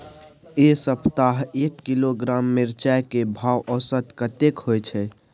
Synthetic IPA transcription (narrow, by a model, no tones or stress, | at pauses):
esəpt̪aɦekːiloɡɾamːeɾt͡ʃajkebʱawʔɔsət̪kət̪ekɦojt͡ʃʰɛ